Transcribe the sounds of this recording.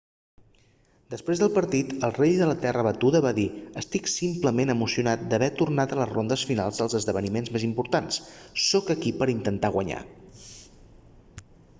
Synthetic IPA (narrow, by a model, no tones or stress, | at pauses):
d̪əspɾezðəlˠpəɾt̪it̪əlˠreʎðələt̪ɛrəβət̪uðəβaðiəst̪iksimpləmenəmusiunat̪̚d̪əβɛt̪urnat̪ələzrond̪əsfinalˠzðəlˠzəzðəβənimenzmezimpuɾt̪ansːɔkəkipəɾint̪ənt̪aɣwəɲa̰